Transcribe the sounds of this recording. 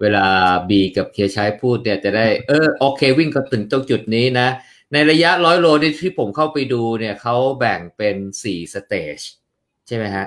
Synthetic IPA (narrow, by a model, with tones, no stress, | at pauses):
weː˧laː˧biː˧ka˨˩p̚kʰi˧ɐt͡ɕʰaː˦˥jpʰuː˥˩t̪̚ni˥˩ɐt͡ɕa˨˩daː˥˩jʔɤː˧˩ʔoː˧kʰeː˧wi˥˩ŋkɔ˥˩t̪ɯ˨˩ŋt̪o˥˩ŋt͡ɕu˨˩t̪̚niː˦˥na˦˥ | na˧jɾa˧ja˦˥ʔlɔː˦˥jɾoː˧niː˦˥˩t̪ʰiː˥˩pʰo˩˦mkʰa˥˩wpa˧jduː˧ni˥˩ɐkʰa˦˥wbɛ˨˩ŋpe˧nsiː˨˩sa˧t̪eː˨˧˩t͡ɕ | t͡ɕʰa˥˩jma˦˥jkʰa˦˥ʔ